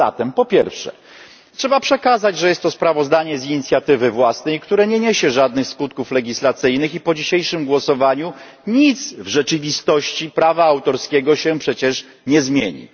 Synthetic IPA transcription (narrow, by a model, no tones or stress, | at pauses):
a̰t̪ɛmpɔpʲjɛɾfʂɛ̰ | tʂɛbapʂɛkazad͡ʑʐɛjɛst̪ːɔspɾavɔzd̪aɲɛziɲit̪sʲjat̪ɘvɘvwasnɛjkt̪uɾɛɲɛɲeɕɛʐad̪nɘxskut̪̚kuflɛɡʲislat̪sɘjnɘxipɔd͡ʑiɕejʂɘmɡwɔsɔvaɲu | ɲit̪svʐɛt͡ʂɘvʲist̪ɔɕt͡ɕipɾavaːwt̪ɔɾskʲeɡɔɕɛpʂɛt͡ɕɛʂ | ɲɛzmʲjeɲḭ